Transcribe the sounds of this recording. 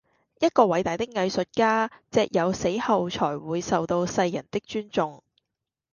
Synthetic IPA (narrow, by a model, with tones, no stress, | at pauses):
jɐ˥t̚kɔː˧wɐ˨˥jt̪aː˨jt̪ɪ˥k̚ŋɐ˧jsɵ˨t̚kaː˥t͡sɛː˨˧k̚jʔɐ˨˧wse˨˥jhɐ˨wt͡ʃʰɔː˨˩jwuː˨˧jsɐ˨wt̪o˧wsɐ˧jːɐ˨˩nt̪ɪ˥k̚t͡ʃyː˥nt͡sʊ˨ŋ